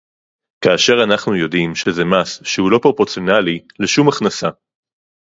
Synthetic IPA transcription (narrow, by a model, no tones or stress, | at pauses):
kaːʃe̞ʁanaχnujo̞dimʃezemasʃehulo̞pʁo̞pot͡sijo̞nalileʃumaχnasa